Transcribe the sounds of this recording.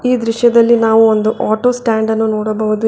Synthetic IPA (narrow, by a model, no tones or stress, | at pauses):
iːd̪ɾiʂjɐd̪ɐlːinaːʋuond̪uʔaːʈoːsʈaːɳɖɐnːunoːɽɐbɐʋud̪u